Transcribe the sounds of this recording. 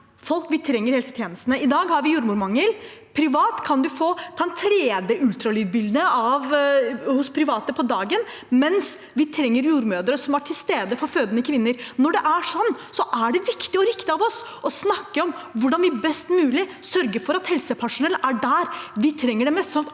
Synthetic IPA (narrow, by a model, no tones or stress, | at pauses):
fɔlkʋɪt̪ʰɾɛŋːəɾhɛlsət̪ʰjeːnəst̪nəɪd̪ɑːɡhɑɾʋɪjuːɾmuɾmɑŋːəl | pʰɾɪʋɑːt̪kʰɑnd̪ʉfoːt̪ʰɑːɛnt̪ʰɾeːd̪jəʔʉlt̪ɾɑlyːd̪bɪld̪nəɑʋhʊspʰɾɪʋɑːt̪əpʰɔd̪ɑːɡən | mɛns | ʋɪt̪ʰɾɛŋːəɾjuːɾmøːd̪əɾəsɔmæʈʰɪlst̪eːd̪əfɔɾføːd̪ənəkʰʋɪnːəɾnɔɖɛʔæʂɔnːsɔʔæɖɛʋɪkt̪ɪɔɾɪkt̪ɪɑʋɔs | ʔɔsnɑkːəɔmʋʊɖɑnʋɪbɛst̪mʉːlɪsœɾɡəfɔɾɑt̪hɛlsəpʰæʂʊnɛləʔæɖæɾʋɪt̪ʰɾɛŋːəɖɛmɛst̪sɔnɑt̪